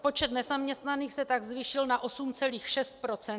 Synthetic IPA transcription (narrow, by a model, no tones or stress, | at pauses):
po̞t͡ʃɛt̪nɛzamɲɛst̪naniːxsɛt̪aɡzviʃɪlnaʔo̞sumt͡sɛliːxʃɛst̪̚pɾo̞t͡sɛn